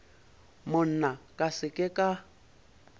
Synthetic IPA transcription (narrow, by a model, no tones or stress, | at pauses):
mʊn̩nakʼasɪkʼɪkʼa